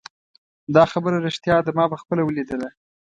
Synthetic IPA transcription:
d̪ɑxabəɾaɾeʃt̪jɑd̪amɑbaxpəlawəlid̪əla

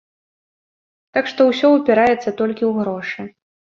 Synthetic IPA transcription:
t̪akʂt̪ɔwsʲɔwpʲɛɾajɛt̪sːɐt̪ɔlʲkʲiwɣɾɔʂɨ

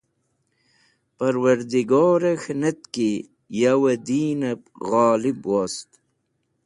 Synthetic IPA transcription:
pɐɾwɐɾd̪iɡoːɾɐxnɐt̪ki | jawɐd̪iːnɐpɣaːlibwaːst̪

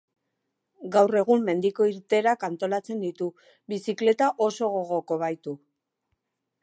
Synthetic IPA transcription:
ɡawre̞ɣ̞umːe̞nd̪iko̞iɾt̪e̞ɾakant̪o̞lat͡se̞nd̪it̪u | bisikle̞t̪aʔo̞so̞ɣ̞o̞ɣ̞o̞ko̞β̞ajt̪u

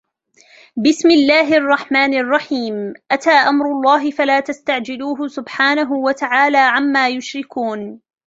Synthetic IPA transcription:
bɪsmɪlːaːɦɪʔɑrˤːɑħmaːnɑrˤːɑħiːmʔat̪aːʔamɾˤʊlˤːɑːɦɪfalaːt̪ast̪aʕd͡ʒɪluːɦʊsʊbħaːnaɦʊwat̪aʕaːlaːʕamːaːjʊʃɾɪkuːn

